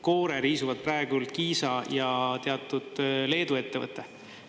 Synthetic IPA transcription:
ko̞ːɾeɾiːsuvɑd̪̥̚prɑe̞ɡult̪̚kiːsɑjɑt̪e̞ɑt̪ːˑud̪̥le̞ːd̪ue̞t̪ːe̞vɤ̰t̪ːˑe

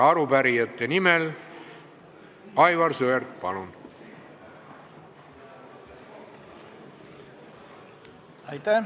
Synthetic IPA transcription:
ɑɾubæɾijɑt̪ːˑenimel | ɑjvɑrsøeɾt̪̚pɑlun | ɑjt̪æ

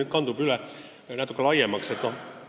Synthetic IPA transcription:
yt̪̚kɑnt̪upylæ | næːt̪ukːlɑjemːɑkset̪no

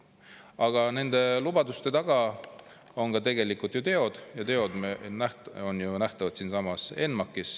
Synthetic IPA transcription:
ɑɡ̥ɑne̞nd̪̥e̞lub̥ɑd̪ust̪e̞t̪ɑɡ̥ɑ | o̞nkɑt̪e̞ɡ̥e̞likːˑult̪jut̪e̞o̞d̪̥jɑt̪e̞o̞d̪̥menæho̞njunæht̪ɑvɑt̪siːnsɑmɑse̞nmɑkːˑis

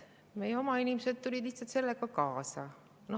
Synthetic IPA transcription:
mejeo̞mɑinimesed̪̥̚t̪ulʲid̪̥liçht̪sɑlt̪se̞lːekɑkɑːsɑ̰ | no

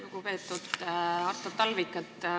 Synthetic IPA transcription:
okupe̞ːt̪ːˑud̪̥ɑrt̪ːot̪ːɑlvikːˑɑt̪ː

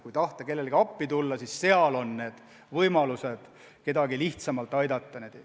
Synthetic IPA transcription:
kujt̪ɑht̪ɑke̞lːe̞lɡ̥iɑpːit̪ulːɑsisse̞ɑlo̞nne̞ːd̪̥ | vɤjmɑluse̞d̪̥ | ke̞d̪ɑɡiliht̪sɑmɑlt̪ˑːɑjd̪ɑt̪ˑːɑned̪̥

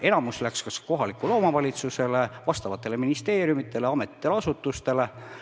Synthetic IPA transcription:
e̞nɑmuslækskɑsko̞ɦɑlikːˑulo̞ːmɑvɑlʲit̪suse̞le̞vɑst̪ɑvɑt̪ˑːe̞le̞minist̪e̞ːɾjumit̪ːˑe̞le̞ɑmet̪ːˑi̥t̪ːeleɑsut̪ːˑust̪e̞le̞

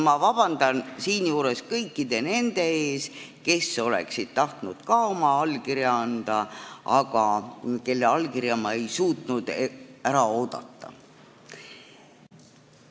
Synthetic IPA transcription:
mɑvɑb̥ɑnd̪̥ɑnsiːnjuːɾe̞skɤjkːid̪̥e̞ne̞nd̪̥e̞e̞ːske̞so̞le̞̰ksid̪̥̚t̪ɑht̪nud̪̥kɑo̞mɑɑlːkiɾjɑɑnd̪̥ɑɑɡ̥ɑke̞lːeɑlkiɾjɑmɑe̞jsuːt̪ˑnud̪̥æɾɑo̞ːd̪̥ɑ̰t̪ːɑ̰

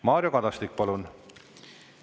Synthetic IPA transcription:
mɑːɾjokɑd̪̥ɑst̪ik̚ːpɑlun

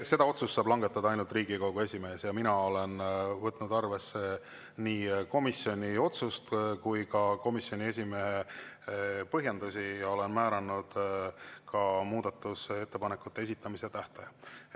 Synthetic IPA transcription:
se̞d̪̥ɑo̞t̪sust̪ːɑːb̥lɑŋɡ̥e̞t̪ːˑɑd̪ɑɑjnult̪riːɡiko̞ɡ̥ue̞sʲime̞ːsjɑminɑo̞le̞nvɤt̪ːˑnud̪ɑrve̞sːe̞ | niːko̞misjo̞nʲio̞t̪sust̪kujkɑko̞misjo̞nʲie̞s̬ʲimee | pɤɦjend̪̥usʲijɑo̞le̞nmæːɾɑnːud̪̥kʰɑmuːd̪̥ɑt̪ːˑuse̞t̪ːe̞pɑnekːˑut̪ːe̞e̞s̬ʲit̪ːˑɑmise̞t̪æht̪ɑjɑ

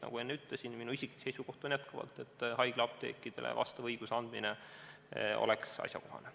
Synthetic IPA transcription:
nɑ̰ɡ̥ue̞nːeyt̪lesinminuisʲikːˑi̥se̞jsuko̞ht̪ˑonjæt̪kɑvɑ̰lt̪ːˑe̞t̪ːˑhɑjɡ̥leɑp̚t̪ḛːkːˑid̪̥e̞lʔḛvʔɑ̰st̪ɑvɤjɡ̥useɑnd̪mine | o̞̰leksɑ̰sʲjɑko̞ɦɑ̰ne

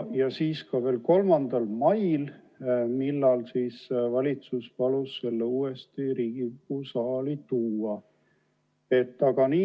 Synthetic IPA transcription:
jɑsiːskɑve̞ːlko̞lmɑnd̪̥ɑlmɑjl | milːɑlsiːsvɑlʲit̪suspɑlusːe̞lːeuːest̪iɾiːɡ̥iupːusɑːlit̪uːɑ | e̞t̪ːɑɡɑniː

